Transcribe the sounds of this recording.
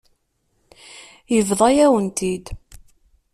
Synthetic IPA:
jəvðˤɑjæwənt̪id̪

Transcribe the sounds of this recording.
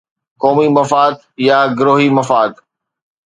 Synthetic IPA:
kɔːmimɐfaːd̪ | jaɡʊɾoːɦimɐfaːd̪

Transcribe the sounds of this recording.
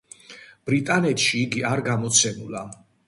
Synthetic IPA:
b̥ɾit̪ʼanɛt̪ʰʃiːɡiaɾɡamɔt̪sʰɛmula

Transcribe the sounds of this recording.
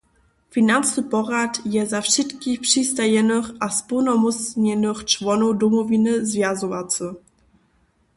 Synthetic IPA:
finant͡snəpɔʁat̪jɛzafʂɛtkixpʂist̪ajɛnəxaspunɔmusɲɛnəxt͡ʂwɔnɔwd̪ɔmɔvʲinəzvʲjazɔvat͡sə

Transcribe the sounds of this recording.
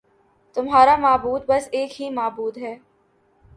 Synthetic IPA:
t̪ʊmɦaːɾamaːbuːd̪̚bɐseːkɦimaːbuːd̪ɦɛː

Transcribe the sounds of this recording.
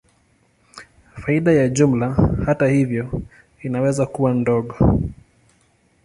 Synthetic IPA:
faiɗajaʄum̩lahatahivjɔ | inawɛzakuwandɔɠɔ

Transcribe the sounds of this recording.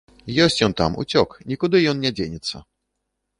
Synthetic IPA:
jɔsʲt͡ɕʲjɔnt̪a̰mʔṵt͡sʲɔknʲikud̪ɨjɔnːʲɛd͡ʑʲeɲʲɛt̪sːɐ̰

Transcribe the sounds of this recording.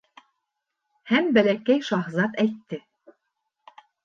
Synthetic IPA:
hæmbælækæjʃɑχzɑt̪æjt̪ːɘ

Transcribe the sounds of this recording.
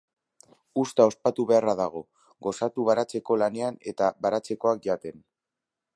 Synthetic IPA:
ust̪ao̞spat̪uβe̞araðaɣ̞o̞ | ɣo̞sat̪uβ̞aɾat͡se̞ko̞lane̞ane̞t̪aβaɾat͡se̞ko̞ak̚ʝat̪e̞n

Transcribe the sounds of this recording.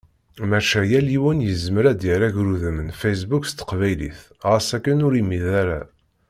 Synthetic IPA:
mæʃæjæliwənjəzməɾæd̪jəɾæʝɾuðəmənfejs̬bukst̪ə̥qvæjlḭθ | ʁəsækːənʊɾimːiðaɾa̰

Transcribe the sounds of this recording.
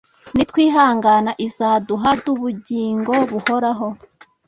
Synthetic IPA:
nitwiːɦaːŋɡanaʔizaːduɦaduβuɟiːŋɡo̞βuhoɾaɦo̞

